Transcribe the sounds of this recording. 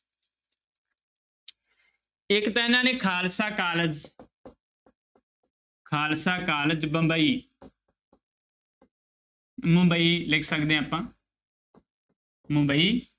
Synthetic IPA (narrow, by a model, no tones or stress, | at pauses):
ɪkt̪ãːɪnãːneːkʰaːlsaːkaːləd͡ʒ | kʰaːlsaːkaːləd͡ʒbə̃mbəiː | mʊ̃mbəiːlɪkʰsəkd̪ẽːaːpãː | mʊ̃mbəiː